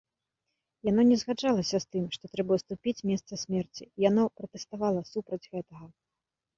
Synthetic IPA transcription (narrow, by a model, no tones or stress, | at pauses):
jan̪ɔnʲɛzɣad͡ʐalˠɐsʲɐst̪ɨmʂt̪ɔt̪ɾɛbɐst̪upʲit͡sʲmʲɛst̪sɐsʲmʲɛrt͡sʲiijanɔpɾɐt̪ɛst̪avalˠɐsupɾɐd͡zʲɣɛt̪ɐɣɐ